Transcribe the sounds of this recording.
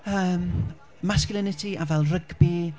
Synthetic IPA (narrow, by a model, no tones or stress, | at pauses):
əːm | masklˠɪnɪtʰiʔavɛlˠrəɡbi